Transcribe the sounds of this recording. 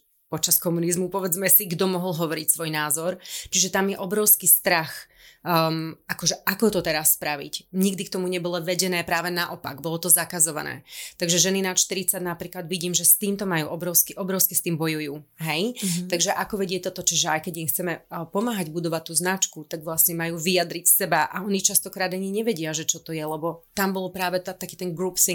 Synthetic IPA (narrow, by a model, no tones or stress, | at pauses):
pɔt͡ʃaskɔmunizmupɔʋɛd͡zmɛsiɡd̪ɔmɔɦɔlɦɔʋɔɾicsʋɔjnaːzɔɾt͡ʃiʒɛt̪amjɛʔɔbɾɔʊskist̪ɾax | akɔʒɛʔakɔt̪ɔt̪ɛɾasːpɾaʋḭcɲiɡd̪ikt̪ɔmuɲɛbɔlɔʋɛɟɛnɛːpɾaːʋɛnaʔɔpa̰ɡbɔlɔt̪ɔzakazɔʋa̰nɛ̰ːt̪aɡʒɛʒɛninaʃt̪iɾit͡saɟnapɾiːklad̪ʋiɟiːmʒɛst̪iːmt̪ɔmajuːʔɔbɾɔʊskiʔɔbɾɔʊskɛst̪iːmbɔjujuːɦɛjt̪aɡʒɛʔakɔʋɛɟɪɛc̚t̪ɔt̪ɔt͡ʃɔʒɛajkɛɟixt͡sɛmɛpɔmaːɦaɟbud̪ɔʋat̪̚ːuːznat͡ʃkut̪aɡʋlasɲɛmajuːʋijad̪ɾicsɛbaʔa̰ɔɲit͡ʃast̪ɔkɾaːd̪aɲiɲɛʋɛɟɪaʒɛt͡ʃɔt̪ɔjɛlɛbɔt̪ambɔlɔpɾaːʋɛt̪t̪akiːt̪ɛnɡɾuːpsiŋ